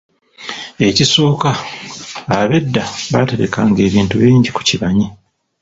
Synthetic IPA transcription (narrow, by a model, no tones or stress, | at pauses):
e̞cisoːkaː | βe̞dːaβate̞ɾe̞̰kaːŋɡe̞ːβiːntuβiːɲɟiku̥ciβaɲi